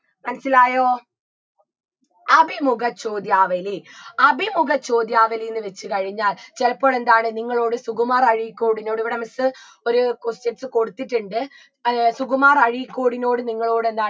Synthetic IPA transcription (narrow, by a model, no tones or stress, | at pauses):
mɐnɐsːilaːjoː | ɐbʱimuɡɐt͡ɕo̞ːd̪jaːʋɐliɐbʱimuɡɐt͡ɕo̞ːd̪jaːʋɐlijenːɨʋe̞t͡ɕːɨkɐɻiɲːaːlt͡ɕelɐpːo̞ːɭe̞nd̪aːɳɨniŋːɐɭo̞ːɽɨsuɣumaːrɐɻikːo̞ːɽino̞ːɽiʋiɽemɐsɨ | o̞ɾukosteʈsɨko̞ɽut̪ːiʈːuɳɖɨ | suɣumaːrɐɻikːoːɽino̞ːɽɨniŋːɐɭo̞ːɽɨe̞nd̪aː